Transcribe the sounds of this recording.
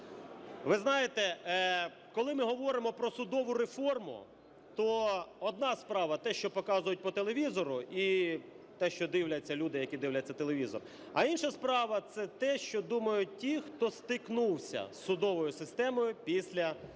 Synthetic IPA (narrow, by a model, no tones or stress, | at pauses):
ʋɪznɑjet̪ɛ | kɔlˠɪmɪɦɔʋɔɾɪmɔpɾɔsʊd̪ɔʋʊɾefɔrmʊ̰ | t̪ɔɔd̪nɑspɾɑʋɐt̪ɛʃt͡ʃɔpɔkɑzʊjʊt̚ʲpɔt̪elˠeʋʲizɔɾʊʔi | t̪ɛʃt͡ʃɔd̪ɪwlʲɐt͡sʲːɐlʲud̪ɪjɐkʲid̪ɪwlʲɐt͡sʲːɐt̪elˠeʋʲizɔ̰r | ɐ̰inʃɐspɾɑʋɐt̪sɛt̪ɛʃt͡ʃɔd̪umɐjʊt̚ʲtʲixt̪ɔst̪ɪknuwsʲɐ̰sʊd̪ɔʋɔjʊsɪst̪ɛmɔjʊpʲisʲlʲɐ